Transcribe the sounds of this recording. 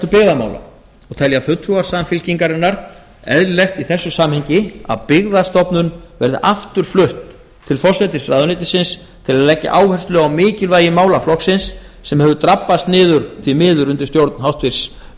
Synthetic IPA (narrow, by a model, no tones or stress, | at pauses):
t̪ʏpɪɣðama̰wla̰ | ɔɣt̪ʰɛljafʏt̪ʰːɾuaɾ̥samfɪlciŋkaɾɛnːaɾ̥ | ɛ̰ðɾlext̪iθɛsːʏsaːmhɛɲcɪa̰ðpɪɣðḁst̪ɔpnʏnvɛɾðɪ̰ʔaft̪ʏɾ̥flʏht̪ʰː | ɪlfɔrsɛt̪ɪsraðʏnɪːt̪ɪsɪns | t̪ʰɪlaðlɛcːa̰ʔaːwhɛrst̪lʏawmɪːcɪlvaːjɪmaːwlaflɔhksɪnsː | ɛmhɛvðʏt̪ɾapːast̪nɪːðʏɾ̥θvimɪːðʏɾʏnt̪ɪɾst̪jowɾt̪nhawht̪vɪɾ̥s